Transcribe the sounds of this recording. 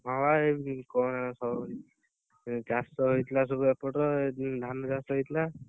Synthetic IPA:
mʱawaekɔnɛsɔ | d͡ʒasɔɦojt̪ʰilas̬ɔbuɛpɔʈɔed̪ʱanɔd͡ʒasɔɦojt̪ʰla

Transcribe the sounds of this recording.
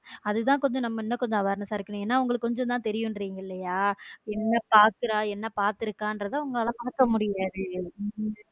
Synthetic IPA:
ɐðɯt̪ãːkɔɲd͡ʒɔ̃nɐmːɐɛnːɐkɔɲd͡ʒɔ̃ɐʋaːɾɐnɐsaːɪɾɯkːɐnʊ̃eːnːaːʊŋɡɐɭɯkːkɔɲd͡ʒɔ̃nt̪ãːt̪ɛɾɪjʊ̃nɾiːŋɡɐɪlːɐjaːɛnːɐpaːɾkɯɾaːɛnːɐpaːɾt̪ɪɾɯkːãːndɾɐðãːʊŋɡɐɭɐlãːpɐɽɐkːɐmʊɽɪjaːðɯ

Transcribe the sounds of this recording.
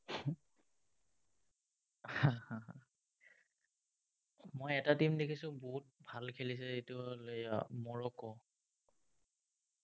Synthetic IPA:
hãhãã | mojɛtatimdekʰisʊ̃boɦut̚bʱalkʰelis̬ɛzetʊolejamɔɹɔkɔ

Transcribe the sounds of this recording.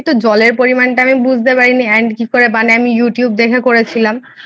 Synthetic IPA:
t̪ud͡ʑɔleɾpoɾimanʈaamibud͡ʑʱt̪epaɾiniɛɳɖkikoɾebaneamijuʈijubd̪ekʰekoɾet͡ɕʰilam

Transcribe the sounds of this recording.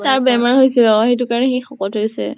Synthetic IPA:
taɹbɛmaɹɦojsɛɔaɦetʊkaɹɔnɛxejxɔkɔthojsɛ̰

